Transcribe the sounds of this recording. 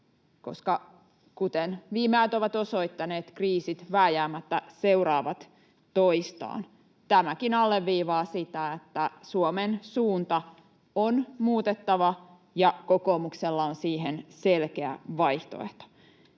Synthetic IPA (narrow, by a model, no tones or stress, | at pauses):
ko̞̰skɑ | kut̪enʋiːmehæt̪oʋɑt̪o̞soit̪ːɑneːt̪kriːsit̪ʋæːjæːmːæt̪ːæseuɾɑːʋɑt̪ | t̪oist̪ɑ̰ːn | t̪æmækinɑlːeʋːiːʋɑːsit̪æet̪ːæsuomensuːnt̪ɑ | onmuːt̪et̪ːɑʋɑ | jɑkokoːmukselːɑonsiːhenselkeæ̰ʋɑiht̪o̰ḛht̪o̥